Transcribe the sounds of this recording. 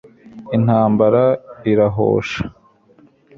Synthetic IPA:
in̥aːmbaɾaiɾaɦo̰ːʃḁ

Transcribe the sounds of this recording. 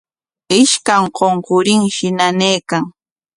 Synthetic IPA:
ɪʃkaŋqoɴqʊɾɪŋʃɪnaneːkaŋ

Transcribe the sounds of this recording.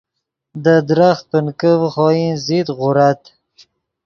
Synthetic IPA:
d̪əd̪ɾaxt̪̚pənkəvχɔinzit̪ɣʊɾat̪

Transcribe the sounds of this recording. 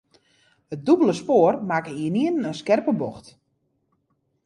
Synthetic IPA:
ət̚dubələspoːərmakəiəniənnənskɛrpəbɔxt

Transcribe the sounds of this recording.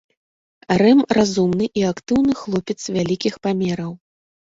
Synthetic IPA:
rɛmrazumnɨʔiakt̪ɨwnɨxlˠɔpʲɛt̪svʲalʲikʲixpamʲɛɾɐw

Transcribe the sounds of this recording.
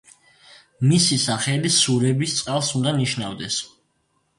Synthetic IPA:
misisaχɛlisuɾɛbist̪sʼqʼalˠsund̪aniʃnavd̪ɛs

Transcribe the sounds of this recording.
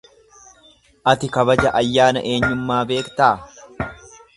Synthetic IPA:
ʔɐt̪ɪkɐbɐd͡ʒɐʔɐjːaːnɐ̰ʔeːɲːʊmːaːbe̞ːkt̪aː

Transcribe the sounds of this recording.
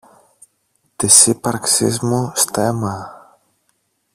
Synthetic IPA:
t̪isipɐɾksḭzmust̪ɛma

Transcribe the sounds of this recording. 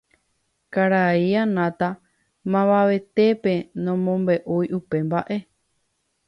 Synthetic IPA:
kaɾaianãt̪a | mãβaʋe̞t̪e̞pe̞nõmõmbe̞ʔujʔupe̞mbaʔe̞

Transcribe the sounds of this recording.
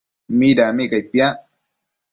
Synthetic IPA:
miːdaːmikajɸija

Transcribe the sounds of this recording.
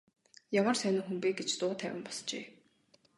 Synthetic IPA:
jamə̆rsœnʊ̆ŋxumpeːɡet͡ɕt͡s̪ʊːt̪ʰæwʲɪ̆mpɔ̥st͡ɕḛː

